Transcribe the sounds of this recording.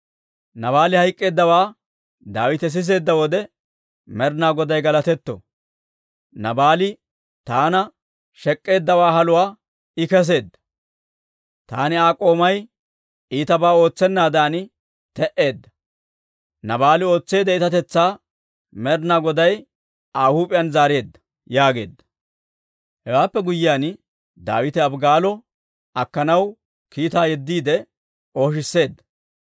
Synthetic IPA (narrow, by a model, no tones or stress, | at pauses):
nɐβaːlɪhɐjkʼːe̞ːd̪ːɐwaː | d̪aːwɪt̪ɛs̬ɪs̬e̞ːd̪ːɐwɔd̪ɛ | mɛɾnaːɡɔd̪ɐjɡɐlɐt̪ɛt̪ːɔ̰ | nɐbaːlɪ | t̪aːnɐ | ʃɛkʼːe̞ːd̪ːɐwaːɦɐlʊwaː | ɪkɛs̬e̞ːd̪ːɐ̥ | t̪a̰ːnɪaːkʼo̞ːmɐj | ʔiːt̪ɐbaːo̞ːt͡sːɛnːaːd̪aːnɪ | t̪ɛʔe̞ːd̪ːɐ | nɐbaːlɪo̞ːt͡sːe̞ːd̪ɛɪt̪ɐt̪ɛt͡sːaː | mɛɾnaːɡɔd̪ɐj | aːhuːpʼɪjɐnzaːɾe̞ːd̪ːɐ̥ | jaːɡe̞̰ːd̪ːɐ̥ | hɛwaːpːɛɡʊjːɪjaːn | d̪a̰ːwɪt̪ɛɐbɡaːlɔ | ɐkːɐnɐw | kiːt̪aːjɛd̪ːiːd̪ɛ | o̞ːʃ̬ɪsːe̞ːd̪ːɐ̥